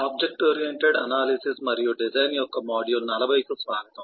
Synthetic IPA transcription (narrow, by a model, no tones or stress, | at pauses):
aːb̚d͡ʒek̚ʈoːɾijeɳʈeɖɐ̰naːlisismɐɾijuɖid͡ʒɐjnjɔkːɐmaːɽijumnɐlɐʋɐjisusʋaːɡɐt̪u